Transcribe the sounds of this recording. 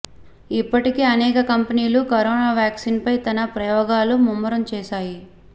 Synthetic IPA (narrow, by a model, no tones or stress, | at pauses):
ipːɐʈikeːɐnɛːkɐkɐmpɐniːlukɐɾɔːnaːʋjaːksiːnpɐjt̪ɐnɐpɾɐjɔːɡaːlumumːɐɾɐmt͡ʃɛːʃaːji